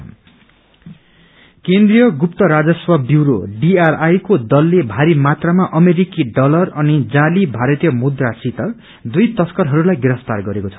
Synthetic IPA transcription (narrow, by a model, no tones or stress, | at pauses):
kend̪rijʌɡupt̪ʌɾad͡zʌswʌbiwɾo̰ɖiarajkod̪ʌlːebʱaɾimat̪ramaʔʌmeɾikiɖʌlʌrʌnid͡zalibʱaɾʌt̪ijʌmud̪rasit̪ʌ | d̪ujt̪ʌskʌɾɦʌɾulajɡeɾʌst̪arɡʌɾekot͡sʰʌ̥